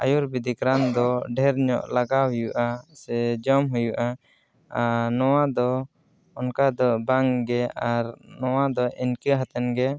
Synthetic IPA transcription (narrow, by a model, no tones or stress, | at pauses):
ajuɾbid̪ikɾand̪ɔɖʱɛɾɲɔ̰ʔlaɡaɦujuʔasɛd͡ʒɔmɦujuʔa | nɔwad̪ɔ | ɔnkad̪ɔbaŋɡɛaɾnɔwad̪ɔʔinkəɦat̪ɛnɡɛ